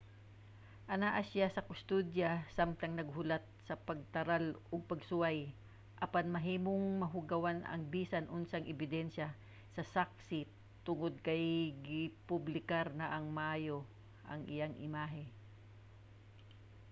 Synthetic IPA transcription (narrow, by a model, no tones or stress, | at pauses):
ʔɐnaːʔasjasɐkʊst̪ud̪jɐsamt̪ɐŋnɐɡɦʊlat̪̚sɐpɐɡ̚t̪ɐɾalʔoɡ̚pɐɡsʊwaj | ʔɐpanmɐɦiːmoŋmɐɦʊɡɐwanɐ̰ŋbiːsɐnʔʊnsaŋʔɛbɪd̪ɛnʃɐ | sɐsak̚sɪ | t̪ʊŋod̪̚kɐjɡɪpʊblɪkaɾnɐʔɐŋmɐʔaːjo̞ | ʔɐŋʔɪ̰jaŋʔɪmaːɦɛ